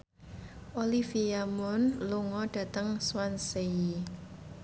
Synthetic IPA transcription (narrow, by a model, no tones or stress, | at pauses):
ʔolifiamʊnluŋɔɖ̥ä̤t̪əŋswansei